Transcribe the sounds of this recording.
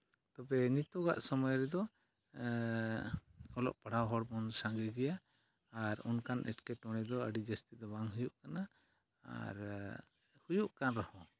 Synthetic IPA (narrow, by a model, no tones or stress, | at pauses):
t̪ɔbɛnit̪ɔɡa̰ʔsɔmɔjɾɛd̪ɔ | ɔlɔ̰ʔpaɽ̤awɦɔɽbɔnsãŋɡɛɡɛjaː | ɾunkanʔɛ̰ʈkɛʈɔɽ̃ɛd̪ɔəɖid͡ʒəst̪id̪ɔbaŋɦujuʔkana | a̰ɾ | hujuʔkanɾahɔ̃